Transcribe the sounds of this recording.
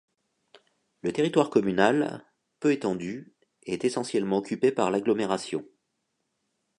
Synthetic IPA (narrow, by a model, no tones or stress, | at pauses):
lət̪eʁit̪waʁkɔmynal | pøet̪ɑ̃d̪y | ɛt̪esɑ̃sjɛlmɑ̃ɔkʲypepaʁlaɡlɔmeʁasjɔ̃